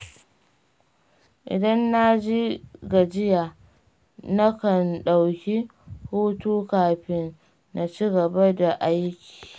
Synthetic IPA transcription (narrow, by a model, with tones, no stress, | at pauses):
ʔɪ̰˨dɐ˦nːa˦d͡ʒi˦ɡa˨d͡ʒɪ˦ja˨ | na˦kɐ˨nɗa˨wkʲi˦huː˦tuː˦kaː˨ɸɪ˦nː | a˨t͡ʃi˦ɡɐ˨ba˦da˨ʔa˦jkʲi̥ː˨